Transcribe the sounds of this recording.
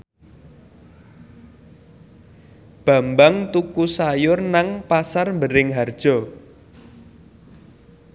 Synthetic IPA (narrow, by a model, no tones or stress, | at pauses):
b̥a̤mbaŋt̪ukusajʊrnaŋpasarmbəɾɪŋɦard̥ʒ̥ɔ̤